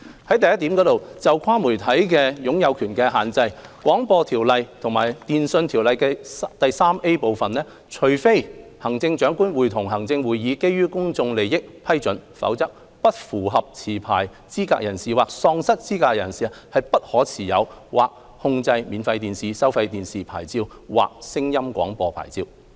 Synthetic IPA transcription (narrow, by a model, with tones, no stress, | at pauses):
hɐ˨˥jt̪ɐ˨jɐ˥t̪iː˨˥mkɔː˨˥t̪o˨wt͡sɐ˨wkʰaː˥mu˨˩jt̪ʰɐ˨˥jkɛː˧jʊ˨˥ŋjɐ˨˧wkʰyː˨˩nkɛː˧ɦaː˨˩nt͡sɐ˧jkwɔː˨˥ŋpɔː˧t̪ʰiː˨˩wlɐ˨jt̪ʰʊ˨˩ŋma̰ː˨˩jt̪iː˨nsɵ˧nt̪ʰi˨˩wlɐ˨jkɛː˧t̪ɐ˨jsaː˥mʔe˥po˨wfɐ˨nlɛː˥ | t͡ʃʰɵ˨˩ɥfe˥jhɐ˨˩ŋt͡sɪ˧ŋt͡ʃœː˨˥ŋkuː˥nwuː˨˩jt̪ʰʊ˨˩ŋɦɐ˨˩ŋt͡sɪ˧ŋwuː˨˧jːiː˨˧ke˥jːyː˥kʊ˥ŋt͡sʊ˧ŋle˨jɪ˥k̚pʰɐ˥jt͡ʃɵ˨˥nfɐ̰˨˥wt͡sɐ˥k̚ | pɐ˥t̚fuː˨˩ɦɐ˨p̚t͡sʰiː˨˩pʰaː˨˩j | t͡siː˥ka̰ː˧˥k̚jɐ˨˩nsiː˨waː˨k̚sɔː˧ŋsɐ˥t̚t͡siː˥kaː˧jɐ˨˩nsiː˨˥hɐ˨jpɐ˥t̚hɔː˨˥t͡sʰiː˨˩jɐ˨˧wwa̰ː˨k̚ | hʊ˧ŋt͡sɐ˧jmiː˨˧nfɐ˧jt̪iː˨nsiː˨sɐ˥wfɐ˧jt̪iː˨nsiː˨pʰa̰ː˨˩jt͡siː˧w | wa̰ː˨k̚sɪ˥ŋjɐ˥mkʷwʷɔ̰ː˨˥ŋpɔː˧pʰa̰ː˨˩jt͡siː˧w